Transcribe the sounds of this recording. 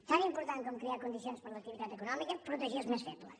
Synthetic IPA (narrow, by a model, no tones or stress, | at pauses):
saɾĩĩmpuɾt̪ãt̪̚komukɾiaɾkõnd̪isijõʃpɐɾɐlɐak̚t̪iviðaðekunɔmikɐpɾut̪eʒeɾɐʒmẽʃfɛt̪ulɐ̰